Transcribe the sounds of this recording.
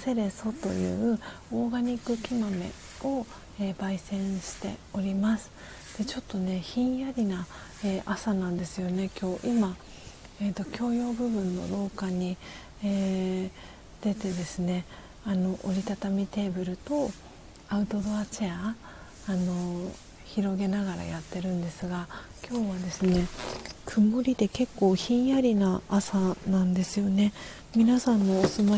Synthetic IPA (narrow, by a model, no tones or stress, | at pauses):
se̞ɾe̞so̞t̪o̞̰jɯ̟̰ːɯ̟oːɡaɲ̟ikɯ̟kʲimame̞̰ | o̞ | eːbaisẽ̞ɰ̃ɕi̥t̪e̞̰o̞ɾʲimasɨ̥ | d̪̥e̞t͡ɕo̞t̪ːo̞ne̞çĩɰ̃jaɾʲina | eːʔasanãnd̪e̞sɨjo̞ne̞kʲo̞ːʔima | eːt̪o̞kʲo̞ːjo̞ːbɯ̟bɯ̟̃nːo̞̰ɾo̞ːkaɲ̟i | eː | d̪̥e̞t̪e̞d̪e̞sɨne̞ | ano̞ʔoɾʲit̪at̪amʲit̪e̞ːbɯ̟ɾɯ̟t̪o̞ | aɯ̟t̪o̞d̪o̞at͡ɕeaː | no̞ | çiɾo̞ɡe̞naɡaɾa̰jat̪ːe̞ɾɯ̟̃nd̪e̞sɨɡa | kʲo̞ːβad̪e̞sɨne̞kʰɯ̟moɾʲid̪e̞ke̞kːo̞ːçĩɰ̃jaɾʲinaːsanãnd̪e̞sɨjo̞ne̞ | mʲinasãnːo̞ːsɨma